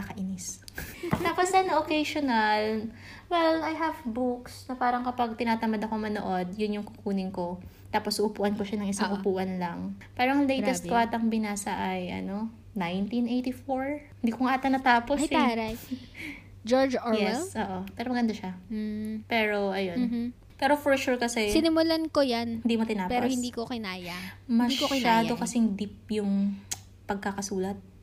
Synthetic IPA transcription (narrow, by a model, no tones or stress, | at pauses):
akɐʔinɪst̪aːposɐnːɐʔokejʃonɐl | wɛlajɦɐvbuksnɐpaːɾɐŋkɐpɐɡ̚t̪ɪnaːt̪ɐmad̪ɐkomɐno̰ʔo̞d̪̚jʊnjʊŋkʊkuːnɪŋko̞ | t̪aːposʊʔʊpuːʔɐnkoʃanɐŋɪsaŋʔʊpuːʔɐnlɐŋpaːɾoŋlejt̪ɛst̪̚kwaɾt̪ɐŋbɪnaːsɐʔɐjʔɐ̰no̞ | najnt̪inʔejt̪ifoɹhɪnd̪iːkoŋat̪ɐnɐt̪aːpoaaj | d͡ʒoɹd͡ʒjjɛsʔoːʔopɛːɾomɐɡɐnd̪aʃa | pɛːɾo̞ʔɐjo̞n | pɛːɾofɔɹʃuɹkɐsɛsɪnɪmʊlankojanhɪnd̪imot̪ɪnaːpɛɾohɪnd̪iːkokɪnaːjamɐd̪iʃkokɪaːd̪o̞kɐsɛŋd̪ip̚jʊŋ | pɐɡ̚kɐkɐsuːlɐt̪̚